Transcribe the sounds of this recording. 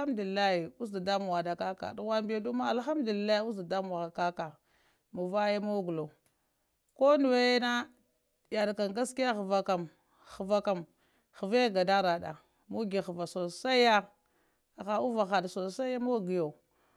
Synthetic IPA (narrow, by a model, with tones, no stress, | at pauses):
a˦mdu˨li˨lːa˦hi˨u˦s̬da˨da˦mu˨wa˨da˨ka˦ka̰˨du˨wa˦mba˦du˦ma˦a˨lxa˦m˦du˨li˨la˦i˦u˦sda˨da˦m˨a˨a˨ka˦ka˨ | mu˨va˦ja˦mo˦ɡu˨lo˨ | ko˦nu˨we˦je˦na˦ | ja˨dka˨ŋɡa˦ski˦a˦xə˨va˨ka˨m | xə˨va˦ka˨m | xə˨va˦ɡa˨da˦ɾa˨da̰˨ | mu˦ɡi˨xə˨va˨so˨sa˦ja˦˨ | ɣa˨u˦va˨xa˨dso˨sa˦a˦mo˦˨ɡi˨jo˨